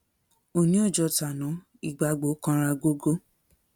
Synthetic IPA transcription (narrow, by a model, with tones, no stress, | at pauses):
o˨nĩ˨˦ɔ˦˨d͡ʒɔ˧ta˨nɔ̃˨˦ | i˦˨ɡ͡ba˧ɡ͡bo˨˦kã˧ɾa˧ɡo˦ɡo˦